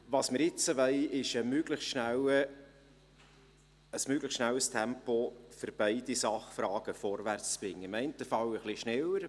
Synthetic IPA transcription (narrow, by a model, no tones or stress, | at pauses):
vɑːsmɪɾɪt͡səvɛɪɪʃəmøɡləχsʃnælə | əsmøɡləχtʃnæwəstʰɛmpofʏɾb̥æɪdisɑχfɾɑːɡ̥əfɔɾvært͡st͡sb̥ɾɪŋːəɪmɛɪntəfɑwəχliʃnɛləɾ